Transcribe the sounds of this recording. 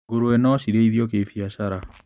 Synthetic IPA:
ɡoɾoenɔɕiɾeiðjɔk̬efiaɕaɾa

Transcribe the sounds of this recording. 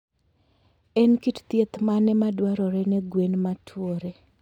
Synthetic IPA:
ɛnkitt̪jet̪manɛmadwaɾɔɾɛnɛɡwenmatʰwoɾe

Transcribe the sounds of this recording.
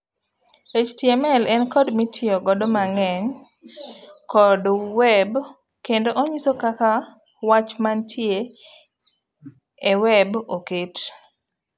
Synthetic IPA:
et͡ʃtjemɛlɛnkɔdmitʰɪɔɡɔdɔmaŋɛɲ | kɔdwɛb | kendoʔoɲisokaka | wat͡ʃmantʰje | ewɛboket

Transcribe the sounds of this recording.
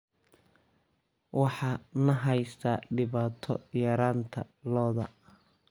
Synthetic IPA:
wɑħɑːnɐɦɛjsaɖɪβaːt̪ʰɔ̰jɐɾaːnt̪ʰɐlɔːðɐ̰

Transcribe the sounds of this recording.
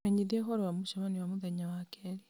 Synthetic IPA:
eɲiðiexoɾwamuʃaβaniwamuðeɲawakeɾi

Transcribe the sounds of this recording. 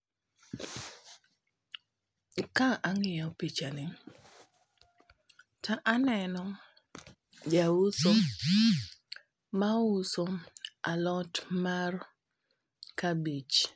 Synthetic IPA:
kaʔaŋɪjɔpit͡ʃanɪ | taʔanɛnɔ | jaʊso | maʊsoalɔtmar | kabit͡ʃ

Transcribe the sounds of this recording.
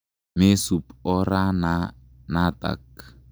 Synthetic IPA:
mesupoɾana | nat̪a̰k̚

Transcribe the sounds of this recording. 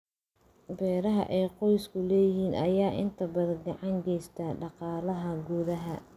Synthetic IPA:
bɛːɾɐɦɐ̰ʔɛːqɔjskʰʊlɛːjɪhiːnɐ̰jaːʔɪ̰nt̪ʰɐbɐðɐnɡɑʕɑŋɡɛːjst̪ʰɐɖɑqɑːlɐɦɐɡuːðɐɦɐ

